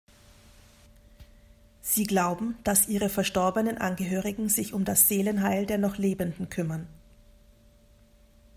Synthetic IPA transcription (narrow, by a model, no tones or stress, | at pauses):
z̥iːɡlaʊbm̩d̥asʔiːʁ̞əfɛɐʃtɔɐbənənʔa̰nɡəɦøːʁ̞ɪɡŋ̩zɪçʊmdasz̥eːlənɦaɪldeːɐnɔχleːbəndn̩kʰʏmɐn